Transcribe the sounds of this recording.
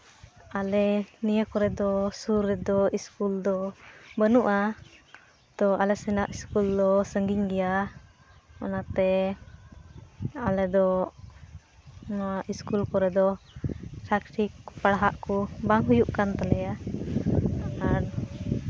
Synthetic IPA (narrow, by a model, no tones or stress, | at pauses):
alɛnijəkɔɾɛd̪ɔsuɾɛd̪ɔiskuld̪ɔbənuʔa | t̪ɔʔalɛsɛnaʔiskuld̪ɔsəŋɡiŋɡɛja | ɔ̰nat̪ɛ | alɛd̪ɔ | iskulkɔɾɛd̪ɔ | pʰɾakʈikpaɽaɦaʔkɔbaŋɦujuʔkant̪alɛja | aan